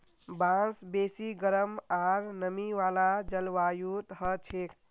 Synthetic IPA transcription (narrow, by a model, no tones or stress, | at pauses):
bãsbesiɡəɾəmaɾnəmiʋalad͡ʒəlʋajut̪ɦət͡ʃʰek̚